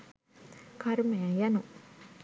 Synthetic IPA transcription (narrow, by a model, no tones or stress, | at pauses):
kaɾmejajanu